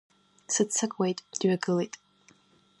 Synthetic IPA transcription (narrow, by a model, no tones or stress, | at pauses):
sɨt͡sʰːakʼwejtʼd̥ɥaɡɨlejtʼ